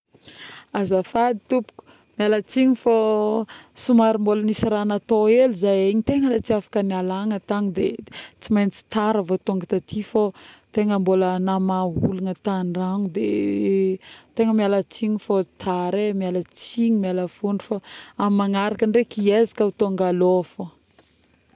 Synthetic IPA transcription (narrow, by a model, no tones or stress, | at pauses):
azafad̪i̥t̪upu̥ku̥ | mialət͡siɲifo | sumaɾimbolənisiɾanat̪oelizajeɲit̪eŋəlat͡siafḁkənialaŋət̪aŋd̪et͡simajnt͡si̥t̪aɾavot̪oŋɡat̪at̪ʰifot̪eŋəmbolənamaɦuluŋət̪anraŋud̪ḛ | t̪eŋəmialət͡siɲifot̪ʰaɾemialət͡siɲimialəfuɳɖ͡ʐufaamaŋaɾakəɳɖ͡ʐekiezi̥kaut̪oŋɡalofo